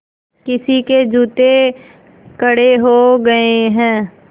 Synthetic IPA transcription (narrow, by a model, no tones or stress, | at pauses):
kɪsiked͡ʒuːt̪e | kəɽeɦoɡɐeɦɛ̃ː